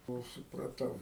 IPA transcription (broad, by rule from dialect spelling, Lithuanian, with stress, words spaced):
ˈkoːlˠ sʊprɐˈtɐʊ